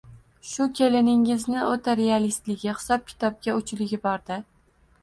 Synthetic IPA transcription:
ʃʊkʲʰelɪnɪŋɪznɪot̪ʰaɾealist̪lɪɡʲɪχɪ̥sɒp̚kʲʰɪ̥t̪ʰɒb̚ɡʲaʊt͡ʃʰlɪɡʲɪbɒɾd̪ɪ

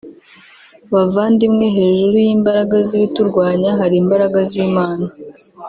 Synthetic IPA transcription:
βavaːndimŋe̞ɦe̞ːʒuɾujiːmbaɾaɡaziβituɾɡwaːɲaɦaɾiːmbaɾaɡaziːmaːna

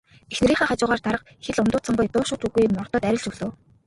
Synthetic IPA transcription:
exneɾiːχaːχat͡ɕʊːʁaːrt̪aɾə̆q̚ | xeɮʊnt̪ʊːt͡sə̆ɴɢʊ̆jt̪ʊːʃʊːt̪uɣujmɔrt̪ɞ̆t̪æɾʲɪ̆ɮt͡ɕuɮoː

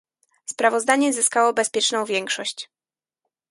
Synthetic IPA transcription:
spɾavɔzd̪aɲɛzɘskawɔbɛspʲjɛt͡ʂnɔ̃w̃vʲjɛŋkʂɔɕt͡ɕ

